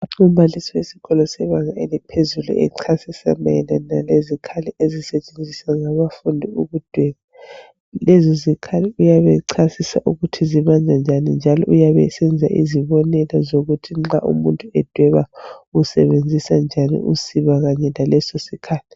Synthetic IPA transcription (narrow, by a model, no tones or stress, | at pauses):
aǁumbʱalisɔwesi̥ɣɔlɔsɛβaŋaelipʰezulṵʔɛ̰ǀʰasisa̰ma̰ɛnanalezikʰaliʔezisɛt͡ʃʼend͡zʱisaŋaβafundʱiuɣud̥ʱwɛːβa | lɛzɔzikʰaliujaβɛǀʰasisa̰ʔuɣutʰiziβand͡ʒʱand͡ʒʱanind͡ʒʱalɔ̰ʔujaβɛ̰sɛnd͡zʱa̰ʔiziβɔnɛlɛzoɣutʰiŋ͡ǁa̰ʔṵmuntʼuɛd̥ʱwɛβausɛβend͡zʱisand͡ʒʱanḭʔṵsiβaɣaɲɛlalɛsosikʰaːlʰi̥